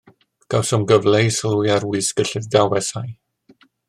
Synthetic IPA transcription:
ɡ̥awsɔmɡəvlejsəlˠujaɾwɪsɡ̥əɬɪðdawɛsaj

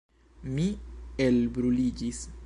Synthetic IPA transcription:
mielbɾulid͡ʒis

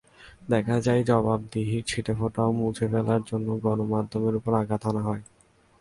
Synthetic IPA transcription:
d̪ɛkʰad͡ʑajd͡ʑɔbab̚d̪iɦiɾt͡ɕʰiʈefoʈaomud͡ʑʱʰefɛlaɾd͡ʑonːoɡɔnomad̪ʱːomeɾupoɾaɡʱat̪ʰanaɦɔe

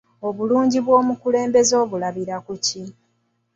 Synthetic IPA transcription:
o̞βuluːɲɟiβwo̞ːmukule̞ːmbe̞zo̞ːβulaβiɾakuci

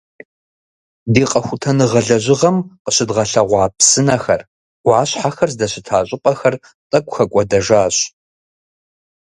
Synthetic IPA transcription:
deːqʼɐxʷʊtʰɐnɨʁɐɮɐʑɪʁɐmqəɕɪdʁɐɬɐʁʷɑːpsɨnɐxɐrʷ | ɑːɕħaxɐrzdɐɕɪtʰaːɕʼɪpʼɐxɐr | tʼɐkʷʼxɐkʷʼɔdɐʒaːɕʼ

